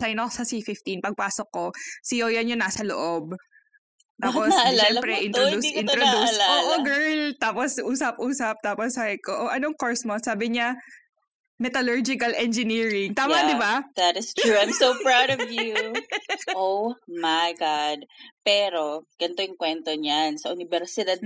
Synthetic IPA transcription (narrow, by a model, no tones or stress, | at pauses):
sɐjnɐksɐsifɪft̪inpɐɡ̚paːsokːosɪjojɐnjʊnːaːsɐlo̰ʔob̚ | t̪aːposɐlaɛmɐpɾɛʔɪnt̪od̪uʔɪ̃nɾod̪uslaoːʔoɡɛɹlt̪aːposʔuːsɐp̚ʔuːsɐp̚t̪aːposaɡɪkoʔoʔɐnoŋkoɹsmosaːbɪɲa | mɛt̪ɐlɔɹd͡ʒɪkɐlʔɛnd͡ʒɪniːɹɪŋt̪aːmad̪ɪbad̪ɐt̪ɪst̪ɹuãɪ̃msowpɹawdɔvju | ʔowmajɡad̪̚pɛːɾoɡ̥ɐnt̪ojʊŋkwɛnt̪oɲansɐʔʊnɪbɛɾsɪd̪ad̪̚